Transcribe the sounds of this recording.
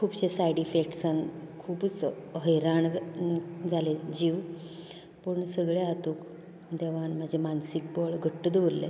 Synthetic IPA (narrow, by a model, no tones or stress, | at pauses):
kʰuːbɕesajɽifek̚ʈsankʰuːbt͡sɦəjɾaɳ | d͡zʱaled͡ʑiːʋ | pəɳsəɡɭeat̪uːk | d̪eʋanm̤ad͡ʑʱemansik̚bɔɭɡʱəʈːəd̪ʋɾlḛ